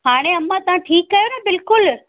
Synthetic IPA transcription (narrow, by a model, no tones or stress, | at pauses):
ɦaːɽ̃eɐmãt̪ɐʋ̤ãʈʰiːkːɐjonɐbɪlkʊl